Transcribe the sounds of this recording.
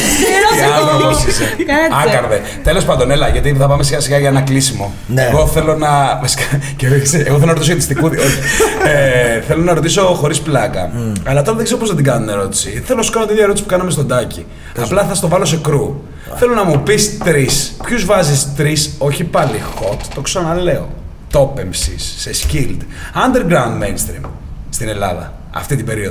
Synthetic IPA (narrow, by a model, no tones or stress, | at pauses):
ɣɐoisekɐɐɐkɐɾðe | t̪e̞lo̞spɐnd̪onelɐʝɐt̪iθɐpɐmesiɣɐsiɣɐʝɐenɐklisimo | neɣo̞θe̞lo̞nɐvɐsi̥kɐcevsieɣoθelonɐɾot̪is̬oet̪ist̪ikuðioçieθe̞lo̞nɐɾo̞t̪iso̞xo̞ɾisplɐkɐ̰ɐlɐft̪o̞ɾɐðeɡze̞ɾop̬ozðɐd̪iŋɡɐnuneɾo̞t̪i̥siθelosu̥kɐnot̪iðjɐeɾot̪isi̥pukɐnɐme̞st̪o̞d̪ɐci | ɐplɐθɐst̪ovɐlose̞kɾu | θe̞lonɐmupist̪ɾispçuzvɐzist̪ɾiso̞çipɐlixo̞t̪ːo̞ksonɐle̞o̰ | t̪o̞pe̞msisːescild̪ | ɐnd̪eɾɡɾɐund̪mejnst̪ɾḭm | st̪ine̞lɐ̰ðɐ̰ | ɐ̰ft̪it̪ibe̞ɾioð